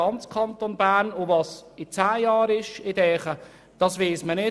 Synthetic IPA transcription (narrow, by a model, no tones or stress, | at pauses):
ɑnt͡skʰɑnt̪onbæːrnovɑːsɪt͡sæːjɑːɾɪʃɪdɛːχə | d̥ɑsʋiːsmənɪ